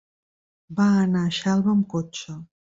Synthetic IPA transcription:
baːnaʃalˠβəmkot͡ʃə

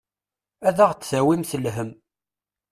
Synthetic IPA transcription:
æðæʁt͡sːθæwimθəlɦəm

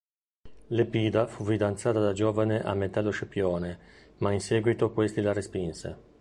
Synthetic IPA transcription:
lepiːd̪afufid̪ant̪saːt̪ad̪ad͡ʒoːvaneʔamːet̪alːoʃepjoːne | mainseːɡwit̪okwest̪ilarespinsḛ

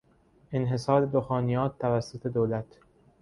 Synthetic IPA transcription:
ʔenɦe̞sɒːɾed̪oxɒːnijɒːt̪ːævæsːot̪ʰe̞d̪oːlæt̪ʰ

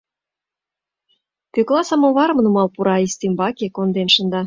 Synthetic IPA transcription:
køklɑsəmoβɑɾmnumɑlpuɾɑist̪imbɑkekond̪enʃə̆nd̪ɑ

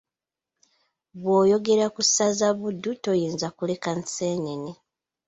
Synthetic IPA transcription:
βwo̞ːjo̞ɡe̞ɾakusazaβudːuto̞jiːnzakule̞kanseːneni

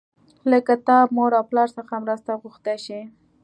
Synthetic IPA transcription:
ləkat̪ɑb̚moɽawplɑɾsəxamɾast̪aɣuxt̪aʃi

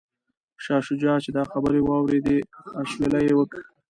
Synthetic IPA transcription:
ʃɑʃʊd͡ʒɑt͡ʃed̪ɑxabəɾewɑwɾed̪eaʃwelajewəki

